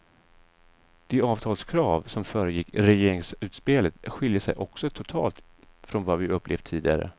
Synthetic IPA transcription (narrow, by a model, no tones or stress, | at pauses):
d̪̥eɑːvt̪ʰɑːlskʰɾɑːvsɔmfœːɾəjɪkːɾɛjeːɾɪŋsʉ̟ːt̪speːlət̪ɧɪljəsɛ̰jʔɔksɔt̪ʰʊt̪ʰɑ̰ːlt̪ | fɾɔnvavɪʔɵpʰːlḛːvd̪̚t̪ʰiːd̪ɪɡa̰ɾə̰